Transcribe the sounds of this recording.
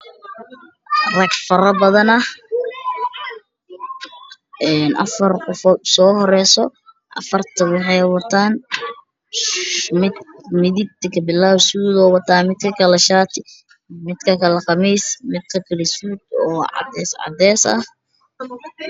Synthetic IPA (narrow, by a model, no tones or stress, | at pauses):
rɐɡfɐɾɐbɐðɐnɐh | ʔɛːnʔɐ̰fɐrqɔfɔsɔːhɔɾɛːsɔ | ʔɐ̰fɐrt̪ʰɐwɑħɑjwɑt̪ʰaːn | mɪmɪðɪɡ̚t̪ʰɪkʰɐbɪlːaːhsuːd̪ɔːwɐt̪ʰaːmɪd̪kʰɐkʰɐlɛʃaːt̪ʰɪ | mɪd̪kʰɐkʰɐlɐqɑmiːsmɪd̪kʰɐkʰɐlɛsuːd̪ɔːʕɑ̰d̪ɛːsʕɑ̰d̪ɛːsɐ̰h